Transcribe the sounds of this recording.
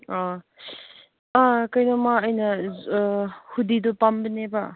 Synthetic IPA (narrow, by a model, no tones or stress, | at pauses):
a | akɐjnɐmaɐjnɐ | hudidupambɐnebɐ